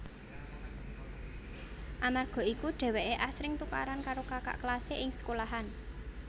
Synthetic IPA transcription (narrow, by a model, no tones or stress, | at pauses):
ʔamarɡ̥ɔ̤ikuɖ̥ɛ̤wɛʔeʔasɾɪŋt̪uka̰ɾankaɾokaka̰ʔklaseʔɪŋsə̥kolaɦan